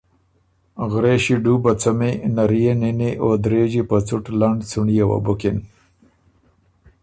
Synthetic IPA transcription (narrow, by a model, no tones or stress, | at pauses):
ɣɾeɕiɖubat͡samenaɾijeniniʔod̪ɾeːd͡ʒipat͡suʈlaɳɖt͡suɳijawa̰bʊkin